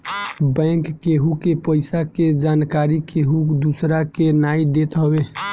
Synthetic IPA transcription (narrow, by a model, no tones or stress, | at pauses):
bɛ̃ŋkːeɦukepəjsaked͡ʒankaɾikeɦud̪usɾakenajd̪et̪ɦəbe